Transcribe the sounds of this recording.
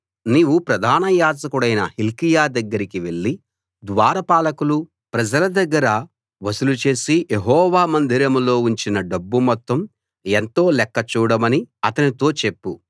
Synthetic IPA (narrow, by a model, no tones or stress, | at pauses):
niːʋupɾɐd̪ʱaːnɐjaːd͡ʒɐkuɽɐjnɐ̰hilkijaːd̪ɐɡːɐɾikiʋe̞ɭːi | d̪ʋaːɾɐpaːlɐkulu | pɾɐd͡ʒɐlɐd̪ɐɡːɐɾɐ | ʋɐsulut͡ʃe̞ːsijeɦɔːʋaːmɐnd̪ʱiɾɐmlo̞ːuɲt͡ʃinɐɖɐbːumɔt̪ːɐm | ent̪o̞ːlɛkːɐt͡ʃuːɽɐmɐniɐt̪ɐnit̪o̞ːt͡ʃe̞pːu